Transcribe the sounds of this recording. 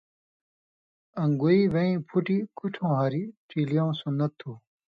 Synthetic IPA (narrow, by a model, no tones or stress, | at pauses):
ɐ̃ŋɡuiʋɐĩːpʰuʈikuʈʰõːɦɐɾiʈ͡ʂiːlijãũsunːɐt̪ʰːuː